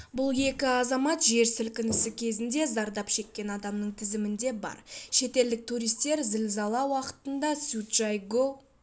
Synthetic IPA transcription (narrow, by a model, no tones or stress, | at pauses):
bʊlˠje̞kʲɪɑzɑmɑt̪ʒe̞ɾsɪlkʲɪnɪsɪkʲʰe̞zɪnd̪e̞zɑɾd̪ɑpʃe̞kʲːe̞nɑd̪ɑmnəɴt̪ʰɪzɪmɪnd̪e̞bɑ̰ɾʃe̞t̪e̞ld̪ɪk̚t̪ʰuɾijst̪e̞ɾzɪlzɑlˠɑwɑqə̥t̪ənd̪ɑsut̪ʒ̥ɑjɡo